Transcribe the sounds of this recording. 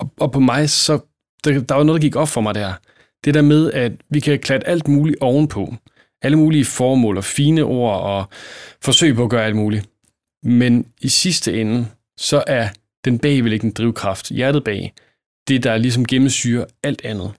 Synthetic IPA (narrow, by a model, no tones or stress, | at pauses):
ʔɒ̽pʰɒ̽mɑ̈ɪsɒ̽ | d̥ed̥ɑʋɑ̈no̽ðˠd̥ɑɡiɡ̥ɒ̽b̥fɒ̽mɑ̈ɪd̥æɐ̰ | d̥e̝d̥æɐmeð̞ˠæd̥ʋikʰækʰlæd̥əʔæl̰d̥muːliʔɒʊn̩pʰɒ̽ | ʔæləmuːliəfɒːmɔ̰̽ːlɒ̽fiːnəʔo̝̰ɐ̰ɒ̽fɒ̽sø̰ɪ̰pʰɒ̽ːɡ̥ɶːɐæl̰d̥muːli | menisisd̥əen̩ | sɒ̽ʔæɐ | d̥enb̥ɛ̰ːɪʋele̝ɡ̥nd̥ʁiʊkʰʁɑ̈fd̥jæɐɾ̥ð̞̩ˠb̥ɛ̰ː | d̥e̝d̥ɑ̈lis̬ɒ̽mɡ̥emm̩sd̥yːɐæl̰d̥ænð̞̩ˠ